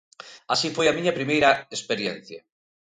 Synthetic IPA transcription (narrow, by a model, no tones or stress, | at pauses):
asifojamĩɲapɾimejɾaespeɾjen̟θja